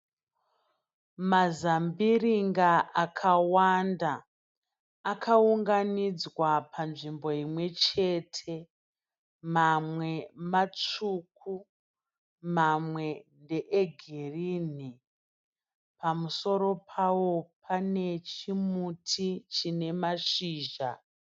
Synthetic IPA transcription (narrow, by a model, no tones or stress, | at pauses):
mazambiriŋɡaʔakʰawanda | kʰauŋɡanid͡zwapʰanʐimbo̞imwe̞t͡ʃe̞tʰe̞ | mamwe̞mat͡ʂuk̚ʰu | mamwe̞ndeʔeɡʱiriːni | pamuso̞ɾo̞pʰawo̞pʰane̞t͡ʃimutʰit͡ʃine̞maʃiːʒa̰